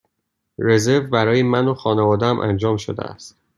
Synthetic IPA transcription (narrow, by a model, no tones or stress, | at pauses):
ɾe̞zeɾvbæɾɒːjemænoxɒːnevɒːd̪ææmʔæ̰nd͡ʒɒːmʃod̪ḛæ̰st̪